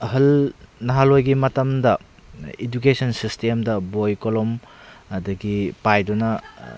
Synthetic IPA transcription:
ɦɐlnɐɦalojɡimɐtɐmdɐ | id͡ʒukesʰonsistemdɐbojkolom | ɐdɐɡipajdunɐ

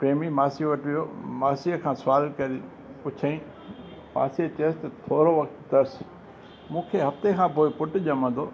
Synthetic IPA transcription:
pɾeːmimaːsijʋɐʈʰʋijoːmaːsiəkʰãːsʊaːlkɐɾi | pʊt͡ɕʰaĩ | pa̰ːset̪əst̪ɐt̪ʰoːɾoʋɐkt̪d̪ɐɾs | mũːkʰeɦɐft̪ekʰãpoːɪpʊʈʊʄɐmə̃nd̪oː

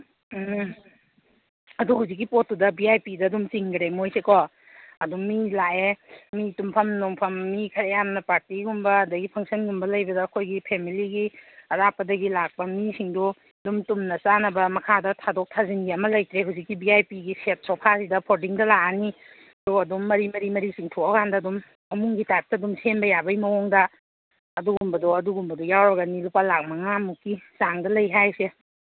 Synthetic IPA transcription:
ɐduhuwzik̬ːipot̚ːudɐbiajpidɐdumt͡ʃiŋɡɾemojsekɔ | ɐdumilaemitumpʰɐmnɔŋpʰɐmːikʰɐɾejamnɐpaɾtiɡumbɐːdɐɡipʰɐŋsɐnɡumbɐlɐjbɐdɐːkʰojɡipʰemiliɡiɐɾapːɐdɐɡilak̚pɐmisiŋdu | dumtumnɐsanɐbɐmɐkʰadɐtʰadok̚tʰazinɡiɐmɐlɐjtɾeɦuwzikːibiajpiɡiset̚sɔpʰasidɐpʰoɾdiŋdɐlaʔani | ɐdɔɡɐdumːɐɾimɐɾimɐɾisiŋtʰoɐkʰandɐdumː | ɐmuŋɡitap̚tːɐdumsenbɐjabɐjmɐɔŋdɐː | duɡumbɐdoɐduɡumbɐdɔjawɾɐɡɐnilupalak̚mɐŋamukːisaŋdɐlɐjɦajse

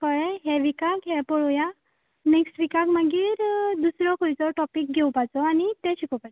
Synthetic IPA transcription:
kɔɭɛɦɛʋikakɦɛpɔɭoja | nɛksʈʋikakmaɡiːɾd̪usɾɔkʰojt͡sɔʈɔpik̚ɡʱɛwpajt͡sɔañit̪ɛɕikopajt͡s

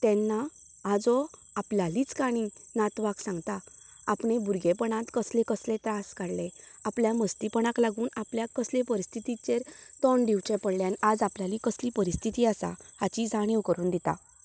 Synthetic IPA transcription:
t̪ɛ̃nːa | ad͡zɔ | apljaliːt͡skaɽ̃inat̪ʋaksãŋɡt̪aː | pɳebuɾɡepəɳãt̪kəslẽkəslet̪ɾaskaɽle | apljaməst̪ipəɳãklaɡuːnapljakəslepəɾist̪ʰit̪it͡ɕeɾt̪ɔɳɖiwt͡ɕepəɽljaniad͡zapljalikəsliːpəɾist̪ʰit̪iːasa̰hat͡ɕid͡zʱaɽ̃iwkəɾuːnd̪it̪a̰

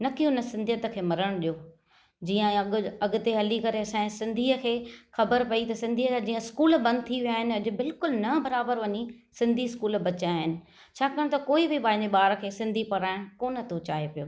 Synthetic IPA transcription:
nɐkionəsɪ̃nd̪ʱijət̪ə̆kʰeːmɐɾəɽ̃ɗijoː | d͡ʑiːə̃ɐɡʊt̪eɦɐlikɐɾeɐsãːsɪ̃nd̪ʱiːəkʰeːxɐbəɾpɐit̪ɐsɪ̃nd̪ʱiːəad͡ʑiːə̃ɪskuːlbɐ̃nd̪ʱɪt̪ʰiʋijaːɦɪnɪ̆ɐʄʊ̆bɪlkʊlnɐbɐɾaːbəɾʋɐɲi | sɪ̃nd̪ʱiskuːlbɐt͡ɕaɦɪnɪ̆ | t͡ɕʰaːkɐːɽ̃t̪ɐkoːibɪbãːɪɲd͡ʑeɓaːɾkʰeːsɪ̃nd̪ʱipɐɽaːɪɽ̃koːnə̆t̪ot͡ɕaːɦepijo̰ː

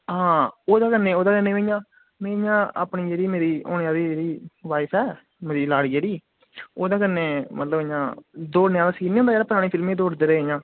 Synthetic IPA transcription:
ɦãːoːd̪aːkənːeːoːd̪aːkənːẽːʋeːjãː | mẽːjãːa̰ːpɳĩːd͡ʒeːɽiːmeːɾiːo̰ːnːãːd̪iːd͡ʒeːɽiːʋaːɪsɛː | meːɾiːlaːɽiːd͡ʒeːɽiː | oːd̪aːkənːeːmət̪ləbjãːd̪oːnejãːd̪aːsiːnːond̪aːeːaːpəɾaːnẽːpʰɪlmẽːd̪oːɽd̪eːɾeːjãː

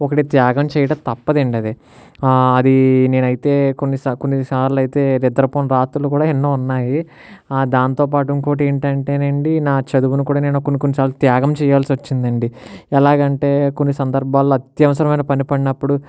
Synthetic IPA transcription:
ɔkɐʈit̪jaːɡɐmt͡ʃɛːjɐɽɐmt̪ɐpːɐd̪eɳɖiɐd̪e | ɐd̪ine̞ːnɐjit̪e̞ːkonːisakonːisaːɾlɐjt̪e̞ːɾɛd̪ɐɾɐpoːnɾaːt̪ulukuːɽaːenːoːunːaːji | d̪aːnt̪o̞ːp̬aːʈuŋkoːʈ̬ueːɳʈɐɳʈeːneːɳɖinaːt͡ʃɐd̪uʋunukuːɽaːne̞ːnukonːikonːit͡ʃaːlːɐt̪jaːɡɐmt͡ʃɛːjaːlsiʋɐt͡ʃːind̪ɐɳɖiɛlaːɡɐɳʈe̞ːko̞nːisɐnd̪ɐɾbʱaːlːuɐt̪jɐʋɐsɐɾɐmɐjnɐpɐnipɐɽinɐpːuɽu

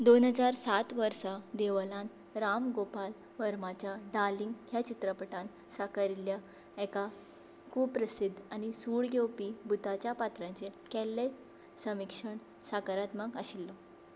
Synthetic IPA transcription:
d̪onɦəd͡zaɾsat̪ʋəɾsad̪eʋlãn | ɾamɡopal | ʋəɾmat͡ɕjaɖaliŋɡɦjat͡ɕit̪ɾəpəʈãn | sakaɾilja | ɛka | kuːpːɾəsid̪ʱːañisuːɭɡewpibut̪at͡ɕjapat̪ɾãɲt͡ɕekɛlːe | səmikʂəɳ | sakaɾat̪maɡəɕilːɔ

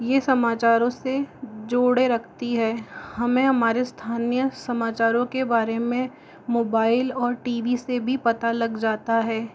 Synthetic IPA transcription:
jesɐmaːt͡ʃaːɾõsed͡ʒoːɽeɾɐkʰt̪iɦɛːhɐmẽɦɐmaːɾest̪ʰaːnijəsɐmaːt͡ʃaːɾõkebaːɾemẽ | moːbaːɪlɔːɾʈiːʋisebʱipɐt̪alɐɡd͡ʒaːt̪aɦɛː

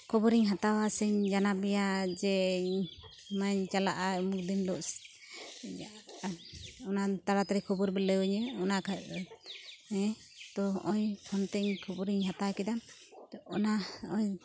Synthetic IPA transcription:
kʰɔbɔɾiɲɦat̪awasɛɲd͡ʒanabɛjad͡ʒɛ | maɲt͡ʃalaʔamuk̚d̪inlɔʔs | ɔnat̪aɾat̪aɾikʰɔbɔɾbɛlɛwuɲɛɔnakʰa | ɛ | t̪ɔɦɔʔɔjpʰɔnt̪ɛɲkʰɔbɔɾiɲɦat̪awkɛd̪am | ɔnaɔj

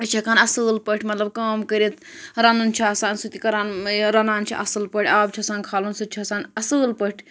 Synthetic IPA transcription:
ɐt͡ʃʰɐkaːnɐsɨːlpəʈʰʲmɐt̪lɐb̚kaːmkəɾit̪ɾɐnunt͡ʃʰiɐsaːnsut̪ikɐɾaːnɾɐnaːnt͡ʃʰḭʔɐsɨlpɐʈʰʲaːbt͡ʃʰisaːnkʰaːlunsut̪̚t͡ʃʰiɐsaːnɐsɨːlpɐʈʲʰ

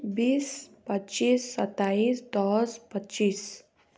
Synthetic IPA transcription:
biːspətːt͡ʃiːsːət̪ːaiːsd̪ɔspətːt͡ʃiːs

